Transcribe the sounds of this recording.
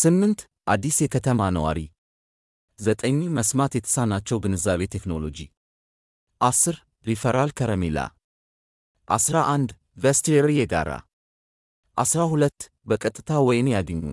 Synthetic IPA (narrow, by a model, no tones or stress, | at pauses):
sɨmːɨnt̪ | ʔad̪ːisjɛkʰət̪ʰəmanəwa̰ɾi | zət̪ʼəɲːməsmat̪jɛt̪ʰə̥sanːat͡ʃːɛwbɨnɨzaβe̞t̪ʰekno̞lo̞̰d͡ʒi | ʔasɨɾ | ɾifəɾalkʰəɾəmela̰ | ʔasɾaʔand̪ | vest̪ʰeɾijɛɡa̰ɾa̰ | ʔasɾahulət̪ː | bəkʼət̪ʼːɨt̪ʰawɔjɪnjad̪əɲːṵ